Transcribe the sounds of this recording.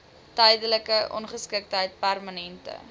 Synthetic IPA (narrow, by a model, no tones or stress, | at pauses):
tœjdələkəʔɔ̰nχəskək̚tɦəjt̚pærmənɛntə̰